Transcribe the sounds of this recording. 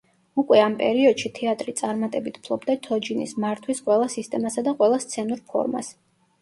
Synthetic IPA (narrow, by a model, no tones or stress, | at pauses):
ukʼwɛampʼɛ̰ɾiɔd̪̥ʃit̪ʰɛat̪ʼɾit̪sʼaɾmat̪ʼɛbit̪ʰpʰlˠɔbd̪at̪ʰɔd͡ʒinḭsmaɾt̪ʰwisqʼwɛlˠasist̪ʼɛmasad̪aqʼwɛlˠast̪sʰɛnuɾpʰɔ̰ɾma̰s